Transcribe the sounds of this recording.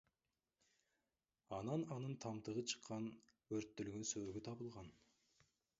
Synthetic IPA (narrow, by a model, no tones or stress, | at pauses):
ɑnɑnɑnənt̪ʰɑmt̪əʁət͡ʃʰə̥qːɑnwɵɾt̪ːʏlɡʲʏnsɵɡʲɪt̪ʰɑbəlˠʁɑn